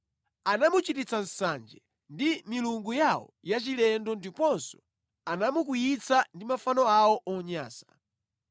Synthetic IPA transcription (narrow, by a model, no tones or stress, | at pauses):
anamut͡ʃitit͡san̩sand͡ʒɛ | ndimiluŋɡujaɔ̰jat͡ʃilɛndɔndipɔnsɔ̥ | anamuk̬ujit͡sʰandimafanɔawɔʔɔɲa̰ːsḁ